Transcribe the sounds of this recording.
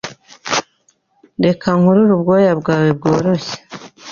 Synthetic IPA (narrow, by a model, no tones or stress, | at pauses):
de̞kʰaŋhuɾuɾubɡojabɡaːwebɡo̞ːɾo̞çe̥